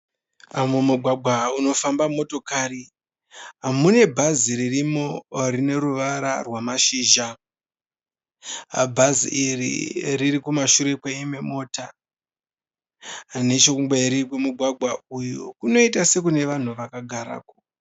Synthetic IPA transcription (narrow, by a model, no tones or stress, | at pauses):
amumuɡʱwaɡʱauno̞fambamo̞to̞kari | ɦamune̞bʱaziɾirimoɾine̞ɾuʋaɾa̰rwamaʃiːʒa | bʱazḭʔirḭriɾikumaʃuɾe̞kweime̞mo̞ːta | ne̞t͡ʃokuŋbeiɾikemuɡʱwaɡʱwaujokuno̞itase̞kune̞ʋan̤uʋakaɡʱaɾa̰ːko̥